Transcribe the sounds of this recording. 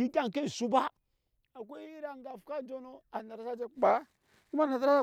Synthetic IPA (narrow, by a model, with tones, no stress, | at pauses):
i˦ɡa˦ŋ˨ke˦˨su˦ba˦ | a˨kʷe˦i˦ɾa˨ŋɡa˨fka˦d͡ʒo˦no˦a˨na˨ɾa˨˦sa˦d͡ʒe˦k͡pa˨˦ | ku˦ma˦na˨sa˦a˦a˦